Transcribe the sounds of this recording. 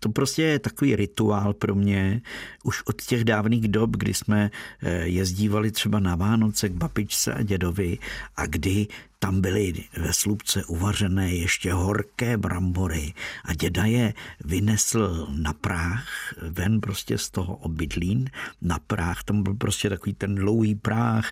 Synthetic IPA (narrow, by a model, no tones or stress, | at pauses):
t̪o̞pɾo̞scɛjɛt̪ako̞viːɾɪt̪uaːlpɾo̞mɲɛʔuʃʔot̪cɛɣdaːvniːɣdo̞pɡdɪ̰smɛjɛzɟiːvalɪt̪r̥ɛbanavaːno̞t͡sɛɡ̚babɪt͡ʃt͡sɛ̰ʔa̰ɟɛdo̞vɪʔa̰ɡdɪt̪ambɪlɪvɛslupt͡sɛʔuvarɛnɛːjɛʃcɛɦo̞rkɛːbɾʔambo̞ɾɪʔaɟɛdajɛvɪnɛsl̩napɾaxvɛnpɾo̞scɛ̰st̪o̞ɦo̰ʔobɪdliːnːapɾaxt̪ambɪlpɾo̞scɛt̪akoviːt̪ɛndlowɦiːpɾaːx